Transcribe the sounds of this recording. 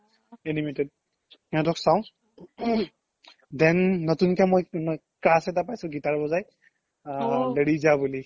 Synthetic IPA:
enimetɛd̚ | ɛ̃ʊ̃tɔksawʊ̃ | dɛnːɔtunkɛmoj | kɹasɛtapajsʊ̃ɡitaɹbɔzaj | deɹizabuli

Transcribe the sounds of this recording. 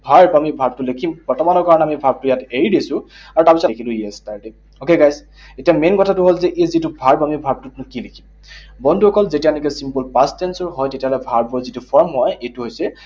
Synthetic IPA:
bʱaɹpamibʱaɹb̚tʊlekʰimb̥ɔɹtɔmanɔkaɹɔnɛamibʱaɹb̚tʊjateɹidisʊ̃ | aɹutapisɔekʰilʊ̃iestaɹde | okeɡajs | etijamenkɔtʰatʊɦolzɛʔezitubʱaɹpamibʱaɹb̚tutnʊkilekʰim | bɔndʱuɔkɔlzetianikɛsimpɔlpastɛnsɔɹɦɔjtetiaɦɔlɛbʱaɹbɔzitupʰɔɹmɦɔjejtuɦojsɛ

